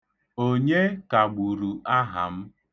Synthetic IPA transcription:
o˦ɲe˦ka˨ɡ͡bu˨ɾu˨ʔa˦ɦa̰˨m̩˦

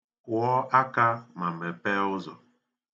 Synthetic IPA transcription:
ɔ˦ʔa˦ka˦ma˨mɛ˨pɛ˦ʊ˦zɔ̰˨

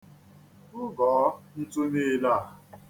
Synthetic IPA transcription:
ʊ˦ɡɔː˨˦n̩˦tu˦ne˦˨la˦˨

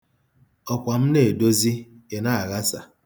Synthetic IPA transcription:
ɔ˨kʷa˨m̩˦ne˦˨do˦zi˦e˨na˦a˨ɣa˦sa̰˨

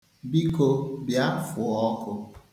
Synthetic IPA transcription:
bi˦ko˦bja˦fʊ˨ɔ˦kʊ˦

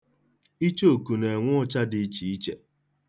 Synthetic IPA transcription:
i˦t͡ʃo˦˨ku˨ne˨ŋʷʊ˦ɔ˦t͡ʃa˦dɪ˦t͡ʃi˨i˦t͡ʃe˨

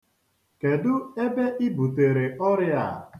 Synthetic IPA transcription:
ke˨dʊ˦e˦be˦ʔi˦bu˨te˨ɾe˨ɔ˦ɾɪ˦a̰˨

